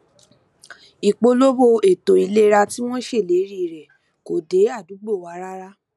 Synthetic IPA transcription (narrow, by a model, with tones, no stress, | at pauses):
i˨k͡po˧lo˦bo˧e˨to˨i˨˧le˦ɾa˧ti˦w̃ɔ̃˦ʃe˦˨le˨˦ɾi˦˨ɾɛ˨ | ko˨de˨˦a˦˨du˨˦ɡ͡bo˦˨wa˨˧˦ɾa˦ɾa˦